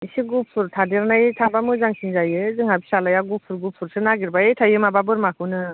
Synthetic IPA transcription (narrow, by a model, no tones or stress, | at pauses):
isiɡupʰuɾtʰadeɾnajtʰabamɯzaŋsinzajɯzɯŋhabisalajaɡupʰuɾɡupʰuɾsɯnaɡiɾbaejtʰajɯmababɯɾmakʰɯwnɯ